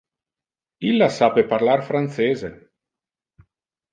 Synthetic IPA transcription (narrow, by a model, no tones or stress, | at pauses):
ilːasapeparlarfɾant̪seːze